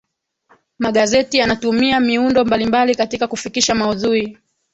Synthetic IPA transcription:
maɠazɛtijanatumiamiundɔmbalimbalikatikakufikiʃamauðuɾi

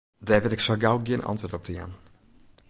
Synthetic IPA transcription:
dɛːvɪtɪksɔɡawɡjɪənɑ̰ntʋoːtɔp̚dəja̰n

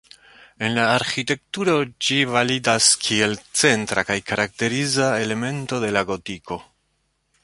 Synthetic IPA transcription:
e̞nlaːɾxite̞k̚tuɾo̞d͡ʒivalidaskʰie̞lt͡se̞ntɾakajkaɾak̚te̞ɾizae̞le̞me̞nto̞de̞laɡo̞tikʰo̞

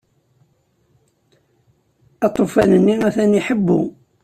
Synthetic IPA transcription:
ɑt̪ˤofænənːinæθæniħəbːṵ

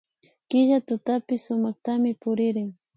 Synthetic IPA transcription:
kɪʒat̪ʊt̪apɪsːʊmaχt̪amɪpʊɾɪɾɪŋ

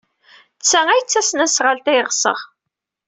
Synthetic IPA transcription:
t͡sːææjət͡sːæsnæsʁəlt̪æjʁsə̰ʁ

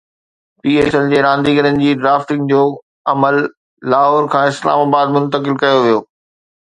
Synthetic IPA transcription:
piːeːsəld͡ʑeːɾãːnd̪iɡəɾənɪ̆d͡ʑiːɖɾaːfʈɪ̃ŋɡd͡ʑoː | ɐməlː | aːɦoːɾkʰãːɪsla̰ːmaːbaːd̪mʊ̃nt̪əkɪlkɐjoʋijoː

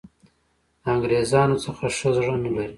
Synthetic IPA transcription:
d̪əaŋɡɾezɑnot͡səxaʂəzʐanəlaɾi

